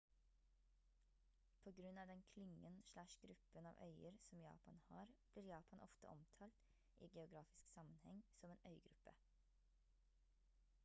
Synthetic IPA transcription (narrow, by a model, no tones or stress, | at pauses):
pʰoːɡɾʉnɑːʋd̪ɛnkʰlɪŋənʃlæʃɡɾʉpənɑ̰ːʋʔœ̰ʏəɾsɔmjɑ̰ːpɑnhɑ̰ːɾb̥liːɾjɑːpʰɑnʔɔ̰ft̪ə̰ʔɔmt̪ʰɑːlt̪ | ʔḭːɡɛʊɡɾɑːfɪsksɑmənhɛ̰ŋsɔmeːnʔœʏɡɾʉpə̰